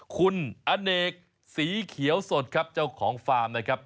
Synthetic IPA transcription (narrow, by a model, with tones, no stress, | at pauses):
kʰu˧nʔa˧neː˨˩k̚ | siː˨˩˦kʰi˨˩˦əwso˨˩t̪̚kʰa˦˥p̚t͡ɕa˥˩wkʰɔː˩˦ŋfaː˧mna˦˥˩kʰa˦˥p̚